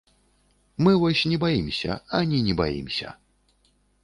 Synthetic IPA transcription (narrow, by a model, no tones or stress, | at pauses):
mɨvɔsʲnʲɛbajimsʲɐ̰anʲinʲɛba̰jḭmsʲɐ̰